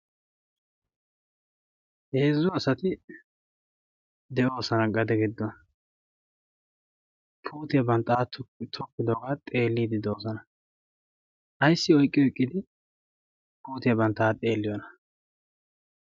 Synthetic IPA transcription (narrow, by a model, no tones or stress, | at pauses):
heːzːɔɐsɐt̪ɪ | d̪ɛʔo̞ːsɐnɐɡɐd̪ɛɡɪd̪ːɔnɐ | pʰuːt̪ɪjɐbɐnt̪ːaːt̪ʊt̪ʰɔkːɪd̪oɡaːt̪ʼe̞ːlːiːd̪ɪd̪oːsɔnɐ | ʔɐjsːɪɔjkʼːɪɔjkʼːɪd̪ɪ | puːt̪ɪjɐbɐnt̪ːaːt̪ʼe̞ːlːɪjɔnɐ